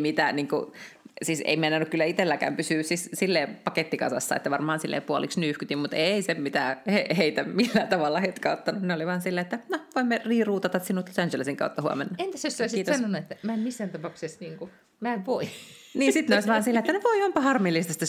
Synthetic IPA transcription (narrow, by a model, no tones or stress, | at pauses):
mit̪æniːŋkṵsiːsḛimenːænːukkylːæit̪elːækæ̰ːmpysyːsissilːeːpɑket̪ːikɑ̰sɑ̰sːɑ̰ḛt̪ːæʋɑrmɑːnsilːḛːpuoliksnyːhkyt̪immut̪eisemmit̪æheheit̪æmilːæt̪ɑʋɑlːɑhet̪kæot̪ːɑnuneoliʋɑːnsilːæet̪ːænoʋoimːeriːruːt̪ɑt̪ɑt̪sinːut̪losænd͡ʒelesiŋkɑ̰ut̪ːɑhuɑ̰menːɑent̪æsest̪oisiiːt̪osɑnonuet̪ːæmæemmisːæːnt̪ɑpɑuksesniːŋku | mæːʋoi | niːsit̪neoˑisʲʋɑːnsilːæet̪ːænoʋoiompɑhɑrmilːist̪ɑst̪ːæ